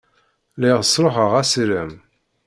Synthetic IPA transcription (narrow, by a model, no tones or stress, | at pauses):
lɪʁsˤɾˤoħəʁæsiɾəm